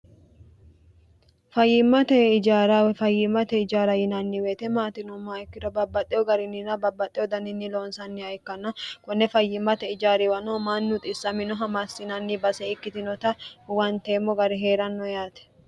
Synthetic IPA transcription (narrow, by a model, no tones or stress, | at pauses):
fɐjːɪmːɐt̪ɛɪd͡ʒaːɾɐwɛfɐjːɪmːɐt̪ɛɪd͡ʒaːɾɐjɪnɐnːɪweːt̪ɛmaːt̪ɪnʊmːaɪkːɪd̪ɔbɐbːɐt̪ʼːɛjɔɡɐɾɪnːɪnɐbɐbːɐt̪ʼːɛjɔd̪ɐnɪnːɪlo̞ːnsɐnːɪɐjkːɐnːɐkʊnːɛfɐjːɪmːɐt̪ɛɪd͡ʒaːɾɪwɐnoːmaːnːut̪ʼɪsːɐmɪnɔɦɐmasɪnɐnːɪbɐsɛɪkːɪt̪ɪnɔt̪ɐwɐnt̪eːmːɔɡɐɾɪɦeːɾɐnːɔjaːt̪ɛ̥